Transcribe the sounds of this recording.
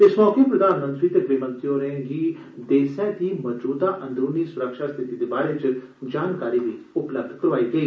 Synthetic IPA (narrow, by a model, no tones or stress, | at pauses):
ɪsmɔːkepɾəd̪aːnmə̃nt̪ɾit̪ekʋemə̃nt̪joɾẽɡi | d̪eːsɛt̪iːmɔd͡ʒbuːt̪aʔɐ̃nd̪ɾuːniːsʊɾəkʃast̪ʰɪt̪id̪eːbaːɾet͡ʃ | d͡ʒaːnkaːɾiʋiːʊpləb̚d̪ʱkəɾʋaːiːɡəiː